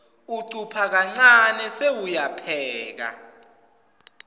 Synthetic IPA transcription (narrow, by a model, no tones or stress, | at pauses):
uǀupʰak̬aŋ͡ǀanɛsewujapʰɛːk̬a̰